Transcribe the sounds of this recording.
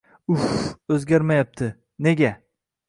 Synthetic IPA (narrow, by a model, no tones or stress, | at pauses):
ufɵzɡʲaɾmajap̚t̪ʰɪ | ne̞ɡʲa